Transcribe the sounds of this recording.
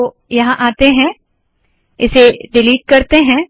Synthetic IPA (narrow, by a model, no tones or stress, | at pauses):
jɐɦãʔaːt̪eɦɛ̃ | ɪseɖɪliːʈ̚kɐɾt̪eɦɛ̃ː